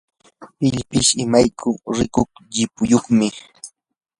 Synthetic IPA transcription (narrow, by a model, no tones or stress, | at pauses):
ɪʎpɪʃɪmajkʰʊɾɪkoχʎɪpʊjoχmɪ